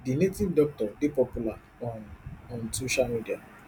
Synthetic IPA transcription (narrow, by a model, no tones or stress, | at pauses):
dinetĩddɔk̚tɔdipɔpula | ɔ̃nɔ̃nsoʃalmidia